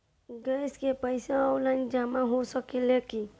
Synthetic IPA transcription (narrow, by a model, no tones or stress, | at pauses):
ɡɛːskepəɪsẽawlaɪ̃nd͡ʒaːmãɦosəkeleki